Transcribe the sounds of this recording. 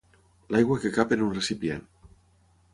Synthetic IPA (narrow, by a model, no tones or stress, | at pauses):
lajɣwakekapenunresipjḛn